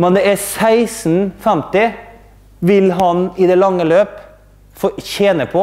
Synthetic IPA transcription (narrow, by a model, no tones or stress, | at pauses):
mɛnd̪ɛæsæɪsnfɛmt̪ɪ | ʋɪlɦɑnɪd̪ɛlɑŋːəløːp | fɔçeːnəpʰɔ